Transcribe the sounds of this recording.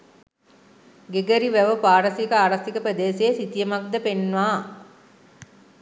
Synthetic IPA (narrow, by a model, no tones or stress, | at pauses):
ɡeɡəɾiʋæʋəpaːɾəsikəaːɾɐsikəpɾəd̪eːsejːsit̪ijəmak̚d̪əpenːʋaː